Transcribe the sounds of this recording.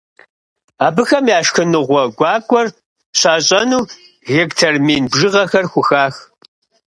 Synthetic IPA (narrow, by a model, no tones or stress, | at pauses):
aːbɨxɐmjaːʃxɨnɨʁʷɔɡʷɑːkʷʼɔr | ɕaːɕʼɐnuː | ɣektʰɐrmiːnbʒɨʁɐxɐrxʷʊxaːx